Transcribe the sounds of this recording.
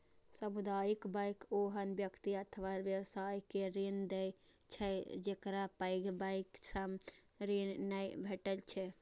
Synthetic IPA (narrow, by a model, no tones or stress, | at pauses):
səmud̪ajikbəjkoɦənbjəkt̪iət̪ʰəʋaɾʋjəwsajkeɾend̪ɛjt͡ʃʰɛd͡ʒekɾapəjɡbəjksəm | ɾenːəjbʱeʈəlt͡ʃʰɛ